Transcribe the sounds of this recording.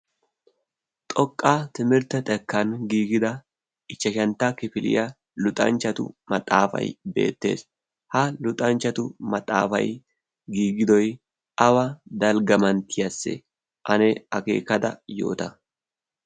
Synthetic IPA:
t̪ʼɔkʼːaːt̪ɪmɪɾt̪ɐt̪ʼɛkːɐnɡiːɡɪd̪ɐ | ʔɪt͡ʃːɐʃɐnt̪ːɐkɪfɪlʔɪ̰jɐ | lʊt̪ʼɐ̰nt͡ʃːɐt̪ʊ̰mɐt̪ʼaːfɐ̰jbe̞̰ːt̪ːeːs | hɐlʊt̪ʼɐnt͡ʃːɐt̪ʊmɐt̪ʼa̰ːfɐ̰j | ɡiːɡɪd̪ɔj | ʔɐwɐd̪ɐlɡɐmɐnt̪ʰːɪjɐsːɛ̰ | ʔɐnɛɐkḛːkːɐd̪ɐ̰jo̞̰ːt̪ɐ

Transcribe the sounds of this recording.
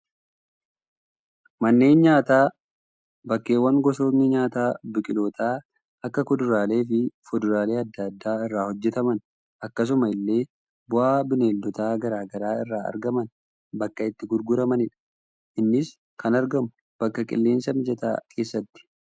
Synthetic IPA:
mɐnːe̞ːnɲaːt̪aː | bɐkːe̞ːwːɐŋɡɔso̞ːnːɪɲaːt̪aːbɪkʼɪlo̞ːt̪ʰaː | ɐkːɐkɔd̪ʊɾaːle̞ːfɪfɔd̪ʊɾaːle̞ːɐd̪ːɐd̪ːaːɪrːaːhɔd͡ʒːɛt̪ɐmɐn | ɐkːɐs̬ʊmɐɪlːe̞ː | bʊʔaːbɪneːld̪ɔt̪aːɡɐɾaːɡɐɾaːɪrːaːɐ̰ɾɡɐmɐn | bɐkːɐɪt̪ːɪɡʊɾɡʊɾɐmɐnɪᶑɐ̥ | ʔɪnːɪs | kʰɐnɐɾɡɐmʊ̥ | b̥ɐkːɐkʼɪ̰lːe̞ːnsɐmɪd͡ʒɛt̪a̰ːkʰe̞ːsːɐt̪ːɪ̥

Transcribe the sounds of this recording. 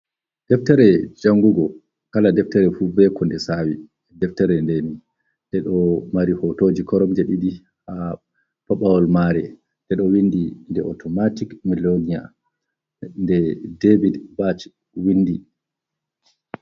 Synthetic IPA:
d̥ɛftɛɾɛd͡ʒaŋɡuɡɔ | kaladɛftɛɾɛfubɛkɔndɛsawi | dɛftɛɾɛndeni | ɗɛɗɔmaɾihɔtoːd͡ʒikɔɾɔmd͡ʒeɗiɗi | ha | paɓawɔlmaɾɛ | dɛɗɔwindindɛʔɔtʰɔmatikmilonija̰ | ndɛdebidbat͡ʃ | winːdi

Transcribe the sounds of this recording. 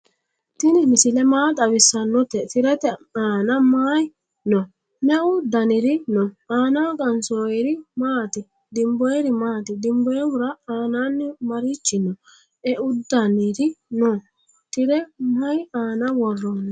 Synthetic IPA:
t̪ɪnɪmɪsɪlɛmaːt̪ʼɐβɪsːɐnːɔt̪ːɛt̪ɪɾɛt̪ɛaːnɐmaːj | nɔ | mɛʊd̪ɐnɪɾɪnɔaːnɐkʼɐnsojɛɾɪmaːt̪ɪ | d̪ɪmbɔjɛɾɪmaːt̪ɪd̪ɪmbɔjɛwʊɾɐaːnanːɪmɐɾit͡ʃːɪnɔ | ɛʔʊd̪ːɐnɪɾɪnɔ | t̪ɪɾɛmɐjaːnɐwɔrːɔn

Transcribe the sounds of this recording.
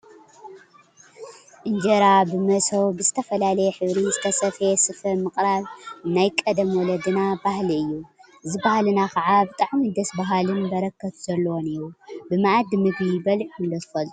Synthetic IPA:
ʔɨnd͡ʒɐɾabɨmɐsowbɨzɨt̪ʰɐfɐlalɐjɛħɨβɾizɨt̪ʰɐsɐfesɨfɐmɨkʼɾaβnajkʼɐd̪ɐmwɔlɐd̪ɨnabahliɨjːu | ɨzɨbahalɨnakʰɐʕabɨt̪ʼaʕmid̪ɐsbaɦalɨnbɐɾɐkʰːɐt̪ʰz̥ɐlːɐwoniɾubɨmaʔad̪mɨɡnibɐlʕkʰɨnd̪ɐt̪ʰɨ̥fɐlt̪ʼu

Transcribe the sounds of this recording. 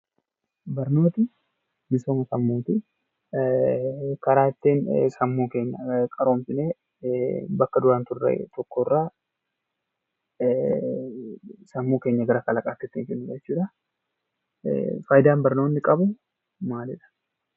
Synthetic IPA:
bɐɾno̞ːt̪ɪ | bɪsoːmɐsɐmːoːt̪ɪ | kɐɾaːt̪ːeːnsɐmːoːke̞ːɲːɐkʼɐɾo̞ːmfɪneː | bɐkːɐd̪ʊɾaːnt̪ʊrːḛt̪ʰɔkːɔrːaː | sɐmːuːke̞ːɲːɐɡɐɾɐkʼɐlɐkʼaːt̪ːɛt̪ːɪnkɪnːʊd͡ʒɛt͡ʃːuːᶑɐ | faːjd̪aːnbɐɾno̞ːnːɪkʼɐbʊ | maːlɛᶑɐ̥

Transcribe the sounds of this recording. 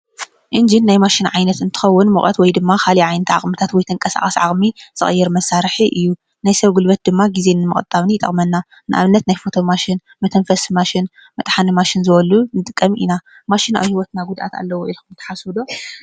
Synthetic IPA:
ʔɨnd͡ʒinːajmaʃɪnʕajnɐt̪ɨnt̪ʰɨ̥xɐwːʊnmɨxʼɐ̰t̪wɔjd̪ɨmːakʰaliʕajnɐt̪ʕa̰χʼmɨt̪ʰat̪wɔjt̪ʰɨŋkʼɐsa̰χʼɐsʕaχʼmiz̥ɨxʼɨjːɛɾmɐsaɾħiʔɨjːu | najsɐβɡulbɐt̪̚d̪ɨmːaɡize̞nɨmɨχʼɨt̪ʼːaβnijt̪ʼɐ̰χʼmɐnːa | nɨʔa̰βɨnːɐt̪najfo̞t̪ʰo̞maʃɪn | mɐt̪ʰɐnfɐsmaʃɪn | mɐt̪ʼħanɨmaʃɪnzɨβɐlunɨt̪ʼɨkʼːɐmʔḭna | maʃɪna̰βhiwɔt̪naɡud̪ʔa̰t̪a̰lːɐwoʔilmɨt̪ʰɐ̥ħaswɨd̪o

